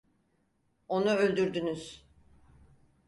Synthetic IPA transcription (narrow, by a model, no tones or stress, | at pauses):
o̞nuølʲd̪yɾd̪ynyz̥